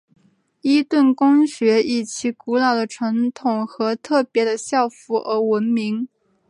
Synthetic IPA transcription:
i˥t̪wə˥˩nkʊ˥ŋɕɥɛ˧˥i˥˩t͡ɕʰi˧˥ku˧˥lɑ˨˩ʊd̪ə˦ʈ͡ʂʰa˧˥ŋt̪ʰʊ˨˩ŋxɤ˧˥t̪ʰɤ˥˩pjɛ˧˥d̪ə˧ɕjɑ˥˩ʊfu˧˥ʔə˧˥wə˧˥nmi˧˥ŋ

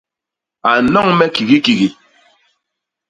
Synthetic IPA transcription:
a˨nɔ˦ŋmɛ˦ki˨ɣi˦ki˨ɣi˨

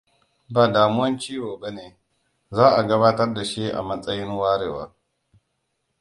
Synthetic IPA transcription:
baː˨daː˨mʊ˦wɐ˦nt͡ʃiː˦woː˨ba˦neː˨ | zaː˦ʔa˨ɡɐ˦βaː˦tɐ˦rda˨ʃi˦ʔa̰˨mɐ˦sʼɐ˦jɪ˦nwaː˦ɽeː˨wa̰ː˦

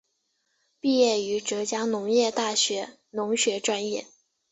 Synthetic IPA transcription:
pi˥˧jɛ˥˩y˧˥ʈ͡ʂɤ˧˥t͡ɕja˥nʊ˧˥ŋjɛ˥˧t̪a˥˩ɕɥɛ˧˥ | nʊ˧˥ŋɕɥɛ˧˥ʈ͡ʂwa˥njɛ̰˥˩

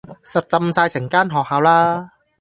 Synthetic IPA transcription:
sa˨˩t̚t͡sa˧msaː˧jse˨˩˦ŋkaː˥˩nɦɔː˨˩k̚haː˧˥wlaː˧˥

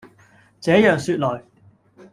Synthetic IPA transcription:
t͡sɛː˨˥jœː˨˩ŋsyː˧t̚lɔː˨˩j

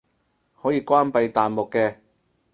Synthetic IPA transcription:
hɔː˨˥jiː˧kʷwaː˥npɐ˧jt̪aː˨nmʊ˨kːɛː˧

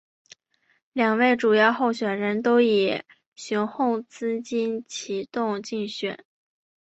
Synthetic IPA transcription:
ljɑ˨˩ŋwe˥˩ɪʈ͡ʂu˨˩jɑ˥˧ʊxo˥˩ʊɕɥɛ˨˩nɻə˧˥nt̪o˥ʊi˨˩ | ɕʊ˧˥ŋxo˥˩ŋt͡sɹ̩˥t͡ɕi˥nt͡ɕʰi˧˥t̪ʊ˥˧ŋt͡ɕi˥˩ŋɕɥɛ̰˨˩˦n

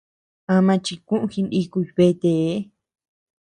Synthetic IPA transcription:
ã˧mã˧t͡ʃi˧kũ˦ʔũ˧xi˧ni˧ku˧ji˧βe˧t̪e˧˨˦

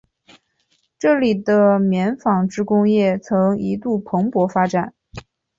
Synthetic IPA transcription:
ʈ͡ʂɤ˥˩li˨˩d̪ə˦mjɛ˧˥nfɑ˨˩ŋʈ͡ʂɻ̩˥kʊ˥ŋjɛ˥˩t͡sʰɤ˧˥ŋi˧˥t̪u˥˩pʰɤ˧˥ŋpwɔ˧˥fa˥ʈ͡ʂa˨˩˦n

